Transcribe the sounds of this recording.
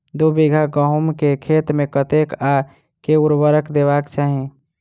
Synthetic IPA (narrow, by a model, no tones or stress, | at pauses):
d̪ubiɡʱaɡəɦumkekʰet̪mekət̪eka | keuɾbəɾəkd̪eβakt͡ʃaɦĩ